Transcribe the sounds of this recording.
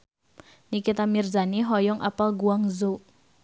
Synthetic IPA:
nikit̪amirzaniɦɔjɔŋʔa̰palɡuaŋzo

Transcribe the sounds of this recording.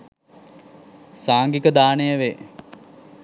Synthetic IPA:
saːŋɡikəd̪aːnejəʋe

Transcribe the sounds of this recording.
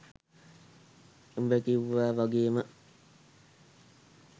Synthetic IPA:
umbekiʋːaːʋaɡeːmə

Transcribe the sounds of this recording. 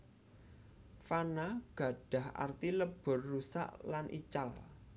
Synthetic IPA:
fanaɡ̥ä̤ɖ̥a̤hʔa̰rt̪iləb̥ʊ̤rːusa̰ʔlanʔḭt͡ʃal

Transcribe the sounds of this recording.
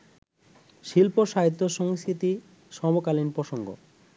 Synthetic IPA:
ʃilpoʃaɦit̪ːoʃɔŋst̪ʰit̪i | ʃɔbokalinpɾoʃoŋɡo̰

